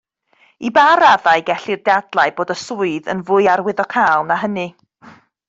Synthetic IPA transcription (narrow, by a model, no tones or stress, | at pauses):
ibaɾaðaɨɡɛɬirdadlˠaɨboːdəsʊɨðə̰nvʊɨaɾwɪðɔkʰaːlˠnaɦənɨ